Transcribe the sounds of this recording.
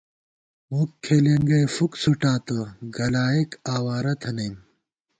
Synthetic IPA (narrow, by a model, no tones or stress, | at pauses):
mukʰːeːleŋɡɐjfuksuʈaːt̪ɐɡɐlaːikaːwaːɾɐt̪ʰɐnɐjm